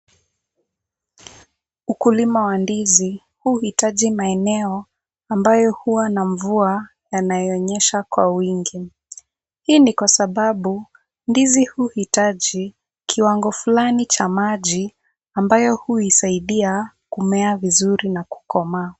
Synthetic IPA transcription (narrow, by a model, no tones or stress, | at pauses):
ukulimawandizi | huhitaʄimaɛnɛɔ | ambajɔhuwanaɱvua | janajɔɔɲɛʃakwawiŋɡi | hiːnikwasaɓaɓu | ndizihuhitaʄi | kʰiwaŋɡɔfulanit͡ʃamaʄi | ambajɔhuisaiɗiakumɛavizuɾinaku̥kɔma